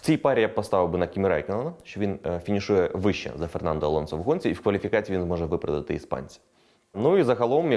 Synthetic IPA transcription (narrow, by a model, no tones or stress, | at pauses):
t͡sʲijpɑɾʲijapɔst̪ɑʋʲɪwbɨnɐkʲimʲiɾɑ̰jkʲenɔnɐʃt͡ʃɔʋʲinfʲinʲiʃujɛʋɪʃt͡ʃːɛ̰zɐfɛrnɑnd̪ɔːlˠɔnsɔʋʊɦɔnʲt͡sʲiiwkʋɐlʲifʲikɑt͡sʲiːʋinzmɔʒɛʋɪpɾɐ̰d̪ɐt̪ɪ̰ispɑ̰nʲt͡sʲi̥ | nuizɐɣɐlˠɔmj